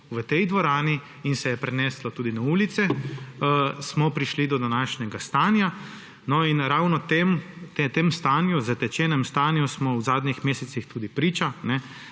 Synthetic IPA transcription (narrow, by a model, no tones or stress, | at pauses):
ʋət̪ɛjd̪ʋɔɾaːni | insɛjɛpɾɛnɛslɔt̪uːd̪inauːlit̪sɛ | smɔpɾiʃlid̪ɔd̪anaːʃnɛɡast̪aːnja | nɔinɾaːwnɔt̪emt̪et̪emst̪anjuzɐt̪ɛt͡ʃɛːnɛmst̪aːnjusmɔwzaːd̪ɲixmeːsɛtsixt̪uːd̪ipɾiːt͡ʃanɛ